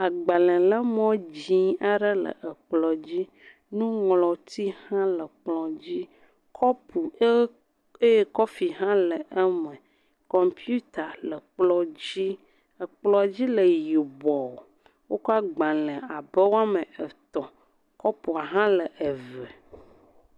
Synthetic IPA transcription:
a˨ɡ͡ba˨lɛ̃˨lə˦mɔ̃˦d͡ʑĩ˦a˦ɖə˦lə̰˨ʔə˨k͡plɔ˨d͡ʑi˦ | nũ˦ŋlɔ˨t̪i˦hã˦lə˨k͡plɔ˨d͡ʑi˦ | kʰɔ˦pu˨e˦ | e˦e˦kɔ˦fi˨ɦã˦lə˨ʔə˦mə̃˨ | kɔ˨mpju˦t̪a˨lə˨k͡plɔ˨d͡ʑi˦ | ə˨k͡plɔ˨d͡ʑi˦lə˨ji˨bɔ˨ | wo˦kɔ˦a˦ɡ͡bã˨lə̃˨a˨bə˦wo˦a˦mə˨ə˨t̪ɔ˨ | kɔ˦pu˨a˨ɦã˦lə˨ʔə˨və˨

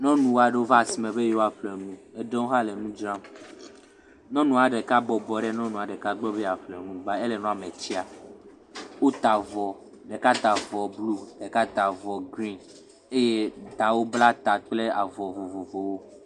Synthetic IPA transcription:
nɔ̃˦nũ˨wa˨ɖe˦wo˦va˦˨si˨mẽ˨be˦je˦wo˦a˦˨ɸle˨nũ˨e˨ɖɔ̃˦ɦa˦le˨nũ˦d͡ʒɾã˦m | nɔ̃˦nũ˨a˨ɖe˨ka˦bɔ˨bɔ˨ɖe˦nɔ̃˦nũ˨a˨ɖe˨ka˦ɡ͡bɔ˦be˦a˨ɸlɛ˨nũ˨ba˦e˦le˨nɔ̃˦˨a˨me˨t͡ɕi˦a˨ | wo˦t̪a˨vɔ˨ | ɖe˨ka˦t̪a˨vɔ˨blu˦ɖ̥e˨ka˦t̪a˨vɔ˨ɡɾĩ˦n | e˦je˦d̪ã˨wo˦bla˦t̪a˨k͡ple˦a˨vɔ˨vo˨vo˨vo˨wo˦

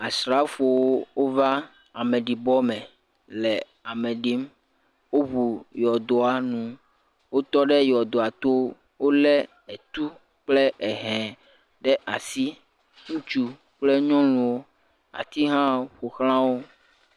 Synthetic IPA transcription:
a˨sɾa˦fo˨wo˦wo˦va˦ | a˨mɛ̃˨ɖi˨bɔ˦mɛ̃˨ | lɛ˨ | a˨mɛ̃˨ɖi˨˦m | wo˦βu˨jɔ˨d̪o˨a˦nũ˨ | wo˦t̪ɔ˦ɖɛ˦jɔ˨d̪o˨a˨t̪o˦ | wo˦lɛ˦ | ɛ˨t̪u˦ | k͡plɛ˦ɛ˨ɦɛ̃˨ | ɖɛ˦ʔa˨si˦ | ŋũ˦t͡ʃu˨ | k͡plɛ˦ɲɔ̃˦lũ˨wo˦ | a̰˨t̪i˦ɦã˦ɸo˨xlã˦wo˦

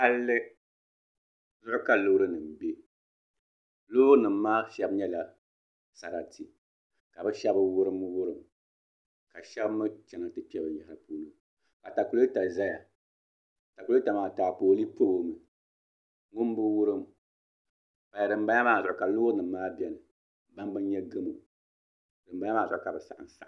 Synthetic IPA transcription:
ha˦lːɨ˦ | zʊ˦ʔʊ˦ka˨lʊː˦ɾɨ˦nɨ˨m˨be˦ | lʊ˦ʊ˦ɾɨ˦nɨ˨m̩ː˦aː˦ʃɛ˦bɲɛ˦la˨ | sa˨ɾa˨ti˨ | ka˨bɨ˦ʃɛ˦bɨ˦wʊ˦ɾɨ˦mɨ˦wʊ˦ɾɨ˨m | ka˨ʃɛ˦bmɨ˦t͡ʃɛ˨nɨ˨tɨ˦pi˦ɛ˦bɨ˨ja˨ha˨ɾɨ˨poː˦nɨ˨m | ka˨ta˨ku˨˦lo˦ta˨za˦ja˨ | ta˨ku˨lo˦ta˨maː˨taː˨poː˨˦li˦po˦˨mɨ˨ | ŋʊ˦m˦bɨ˦wʊ˦ɾɨ˦m | pa˨ja˨dɨ˨m̩˦ba˦ɲa˦maː˨zʊ˨ʔʊ˨ka˨loː˦nɨ˨m̩ː˦aː˦bɛ˦nɨ˨ | ba˦n˦bɨ˦nɲɛ˦ɡɨ˦mɨ̰˨ | dɨ˨m˦ba˦a˦maː˨zʊ˨ʔʊ˦ka˨bɨ˨sa˨ʔa̰˨n˨sa̰˦ʔ

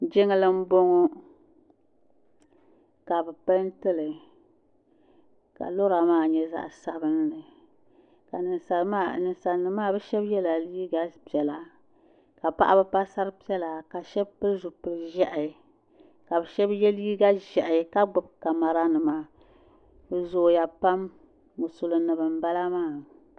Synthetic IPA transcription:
d͡ʒɪ˦ŋɨ˦lɨ˦m̩˦bo˦ŋɔ˦ | ka˨bɛ˨pa˦ntɨ˦lɨ˨ | ka̰˨lo˦ɾa˨maː˦˨ɲɛ˦za̰˦ʔsa˨bɨ˦n˦nɨ˨ | ka˨nɨ˨n˨sa˨ma˦nɨ˨n˨sa˨nɨ˨maː˦˨bɛ˦ʃɛ˦bjɛ˦la˨liː˦ɡa˦pjɛ˨la˨ | ka˨pa˦ʔa˦bɨ˦pa˦sa˦ɾɨ˦pi˦ɛ˦la˨ka˨ʃɛ˦bpɨ˦lzu˨pɨ˨lɨ˨ʒɛ˦ʔɪ˨ | ka˨bɛ˨ʃɛ˦bjɛ˦liː˦ɡa˦ʒɛ˨ʔka˦ɡ͡bʊ˨b̚ka˨ma˨ɾa˦nɨ˨ma˨ | bɨ˨zoː˨ja˨pa˦mː | o˨sʊ˨lɨ˨nɨ˨bɨ˨m̩˦ba˦la˦maː˦˨

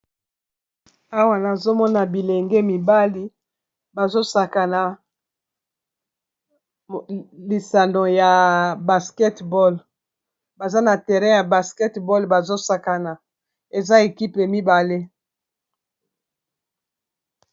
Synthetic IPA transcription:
a˦wa˦na˨zo˦mɔ˦na˨bi˨le˨ŋɡe˦mi˨ba˦li˦ | ba˨zo˦sa˨ka˨na˨ | li˨sa˨ndo˨ja˨ba˨skɛ˦tbɔ˦l | ba˨za˦na˨tɛ˨ʁɛ̃˦ja˨ba˨skɛ˦tbɔ˦lba˨zo˦sa˨ka˨na˨ | e˨za˦e˨ki˦pa˨mi˦ba˨le˦

